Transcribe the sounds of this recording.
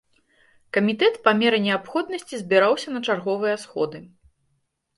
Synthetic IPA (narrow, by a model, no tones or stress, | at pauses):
kɐmʲit̪ɛt̪pɐmʲɛɾɨnʲɛapxɔd̪nɐsʲt͡sʲizʲbʲiɾawsʲɐnɐt͡ʂarɣɔvɨjɐsxɔ̰d̪ɨ